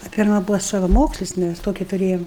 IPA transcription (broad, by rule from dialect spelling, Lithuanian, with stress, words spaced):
ɐ ˈpʲɪrmɐ ˈbʊʋoː sɐʋɐˈmoːksʲlʲɪs ˈmʲæs ˈtoːkʲɪ tʊˈrʲeːjɛm